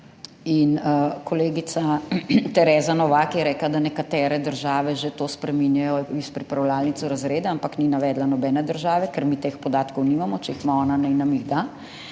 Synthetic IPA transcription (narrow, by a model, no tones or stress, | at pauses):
inkɔleːɡit̪sat̪ɛɾɛːzanɔʋaːkjɛɾɛːklad̪anɛkat̪ɛːɾɛd̪əɾʒaːʋɛʒet̪oːspɾɛminjajɔispɾipɾawlaːlnit̪suɾazɾeːd̪aampakninaʋɛːd̪lanɔbɛːnɛd̪əɾʒaːʋɛkɛɾmit̪expɔd̪aːt̪kɔwniːmamɔt͡ʃɛixmaɔːnanɛnamiɣd̪a